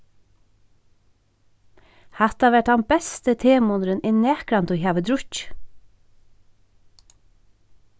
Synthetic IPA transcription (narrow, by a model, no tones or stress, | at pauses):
hɑt̪ɑʋæʈɑmbɛst̪ət̪ʰeːmʊnɾənɪneːkɾɑnt̪uːçɑːʋəd̪ɾʊç